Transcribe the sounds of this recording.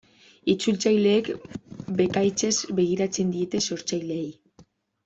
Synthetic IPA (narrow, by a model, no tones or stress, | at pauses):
it͡sult͡sajle̞ːkbe̞kajt͡se̞zbe̞ɣ̞iɾat͡se̞nd̪ie̞t̪e̞so̞ɾt͡sajle̞ːj